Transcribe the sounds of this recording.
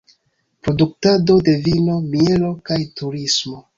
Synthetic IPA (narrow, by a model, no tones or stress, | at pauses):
pɾo̞duk̚tado̞de̞vino̞mie̞lo̞kajtuɾismo̞